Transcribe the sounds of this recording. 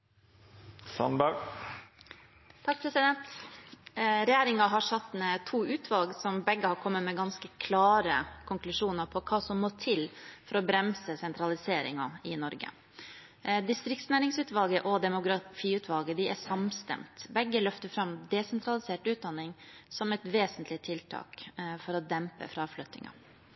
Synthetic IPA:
sɑ̰nbɑʉ | t̪ʰɑk̚pʰɾɛsɪd̪ɛnt̪ | ɾɛjæːɾɪŋɑɦɑʂɑt̪ːmɛt̪ʰuːʉːt̪ʰʋɑlɡsɔmbɛɡːəhɑɾkʰɔmːəmɛɡɑnskəkʰlɑːɾəkʰʊŋklʉʂuːnəɾpʰɔkʰɑːsɔmːoːt̪ʰɪlfɔɾɔbɾɛmsəsɛnt̪ʰɾɑlɪseːɾɪ̰ŋɑ̰ɪnɔɾɡə̰ | d̪ɪst̪ɾɪk̚t̪snæːɾɪŋsʉːt̪ʋɑlɡəʔɔd̪ɛmʊɡɾɑfiːʉːt̪ʰʋɑlɡəd̪ɪʔæsɑmst̪ɛ̰mt̪bɛɡːəlœft̪əɾfɾɑmd̪ɛsɛnt̪ʰɾɑlɪseːʈʉːt̪̚d̪ɑnːɪŋsɔmɛt̪ʋeːsənt̪ʰlɪt̪ʰɪlt̪ʰɑ̰ːkfɔɾɔd̪ɛmpə̰fɾɑɑflœt̪ːɪ̰ŋɑ̰

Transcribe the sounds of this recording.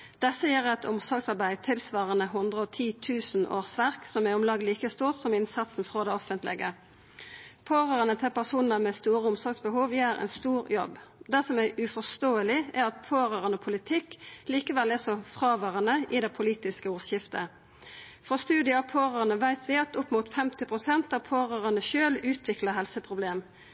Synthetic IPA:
d̪̥ɛsːəjɛːʁɛt̪ʊmsɔɡsɑʁbæɪt̪ʰɪlsʋɑːʁənəɦʊnd̪ʁəɔt̪ʰiːt̪ʰʉːsn̩ʔo̰ːʁsʋæʁksɔmɛʊmlɑːɡliːkəst̪uːʁt̪sɔmɪnsɑt̪sn̩fʁoːd̪ɛɔfənt̪lɪ̰ɡə | pʰoːʁəʁənət̪ʰɪlpæʁsuːnəʁmɛst̪uːʁəʊmsɔɡsbəhuːʋjeːʁɛ̰nst̪uːʁjɔ̰bd̪ɛsɔmæʉfɔst̪oːəlɪʔæʁɑt̪pʰoːʁøːʁənɔpʰʊlɪt̪ʰɪkliːkəʋɛlæsɔfʁɑːʋøːʁənəʔɪd̪ɛpʰʊliːt̪ɪskəuːʁsjɪft̪ə | fɔst̪ʉːd̪ɪəɑpʰoːʁəʁənəʋæɪt̪ʰʋɪɑt̪ʊpːmʊt̪fɛmt̪ɪpʰʁʊsɛnt̪ɑʋpʰoːʁøːʁənəʃøːlʉːt̪ʰʋɪkləɦɛlsəpʰʁʊbleːm

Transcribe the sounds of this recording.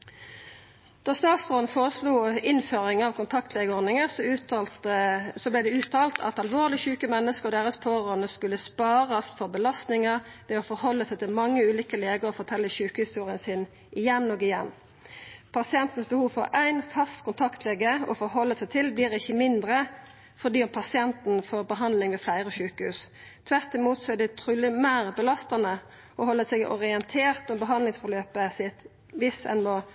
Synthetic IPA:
d̪̥ɔʁst̪ɑːt̪sʁɔːn̩foːʁəsluːɪnføːʁɪŋɑʋkʰʊnt̪ʰɑkt̪ʰlɛɡəɔɾnɪŋəs | sɔblɛd̪ɛʉːt̪ʰɑːlt̪ʰɑ̰t̪ɑlʋoːʁlɪçʉːkəmɛnːəskəʁɔd̪eːʁəspʰoːʁoːnəskʉlːəspɑːʁɑst̪fɔʁbəlɑst̪nɪŋəʁʋɛːofɔɾhɔlːəsæɪt̪ʰɪlmɑŋːəʉːliːkəleːɡəʁɔfɔʁt̪ʰɛlːəçʉːkəhɪst̪uːʁɪənsɪn | ʔɪjɛnːoːɡɪjɛnː | pʰɑsɪɛnt̪ən̩sbəhuːʋfɔ̰ɾæɪnfɑst̪kʰʊnt̪ʰɑkt̪ʰlɛɡəɔ̰fɔɦɔlːəsæɪt̪ʰɪlbliːʁɪçːəmɪnd̪ʁə | fɔd̪iːʊmpʰɑsɪɛnt̪n̩foːʁbəɦɑnd̪lɪŋʋeːflæɪʁəɔɕʉːkəhʉːs | t̪ʰʋæʁt̪ɪmuːt̪sɔɛd̪ɛt̪ʰɾʉːlɪmæːʁbəlɑst̪ɑnə | ɔhɔlːəsɛɡʔɔ̰ʁɪɛnt̪ʰeːʁt̪ɔmbəɦɑnlɪŋsfɔʁløːpəsɪt̪ | ʋɪsɛ̰nmoː

